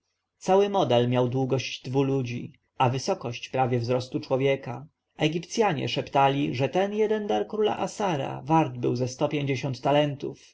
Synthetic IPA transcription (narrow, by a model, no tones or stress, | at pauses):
t̪sawɘmɔd̪ɛlmʲjawd̪wuɡɔɕt͡ɕd̪vulud͡ʑḭ | avɘsɔkɔɕt͡ɕpɾavʲjɛvzɾɔst̪ut͡ʂwɔvʲjɛka | ɛɡʲipt̪sʲjaɲɛ̰ʂɛpt̪alʲiʐɛt̪ɛnjɛd̪ɛnd̪aɾkɾula̰ʔasaɾa̰vaɾd̪bɘ̰wzɛst̪ɔpʲjeɲd͡ʑeɕɔnt̪ːalɛnt̪uf